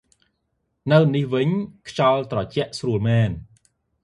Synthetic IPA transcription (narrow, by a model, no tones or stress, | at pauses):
nɨwnihʋɨɲkʰt͡ɕɑlt̪rɑt͡ɕɛ̆əʔsruəlmɛːn